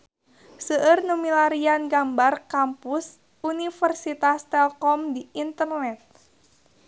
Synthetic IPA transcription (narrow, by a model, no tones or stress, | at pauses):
səʔərnumilaɾianɡambarkampus | unifərsit̪ast̪ɛlkɔmdiint̪ərnɛt̪̚